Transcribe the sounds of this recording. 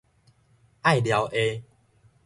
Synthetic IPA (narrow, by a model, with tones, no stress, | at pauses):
a˥˨jlja˨˧wʔe˧